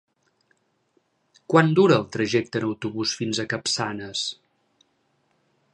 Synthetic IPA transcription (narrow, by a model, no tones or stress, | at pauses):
kwand̪uɾəːlˠt̪ɾəʒɛk̚t̪ənəwt̪uβusfinzəkəpsanəs